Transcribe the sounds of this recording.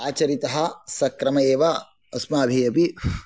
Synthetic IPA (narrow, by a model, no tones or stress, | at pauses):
aːt͡ʃɐɾit̪ɐɦɐ̆sɐkɾɐmɐeːʋɐ | ɐsmaːbʱijɐpi